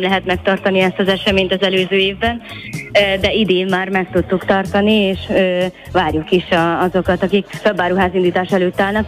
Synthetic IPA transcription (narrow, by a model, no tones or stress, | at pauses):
mlɛɦɛt̪mɛkt̪ɒrt̪ɒniɛst̪ɒzɛʃɛmeːɲt̪ɒzɛløːzøːeːvbɛnː | d̪ɛid̪eːmmaːrmɛk̚t̪ut̪ːukt̪ɒrt̪ɒnieːʃø | ʋaːrjukiʃɒɒzo̞kɒt̪ɒkikføbːaːɾuɦaːzind̪iːt̪aːʃɛløːt̪ːaːlnɒk